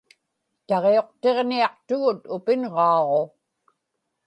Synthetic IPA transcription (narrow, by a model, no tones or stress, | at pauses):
t̪ɑʁeo̞qt̪e̞ʁniɑqt̪ʊɣʊt̪ʊpɪnʁɑːʁo̞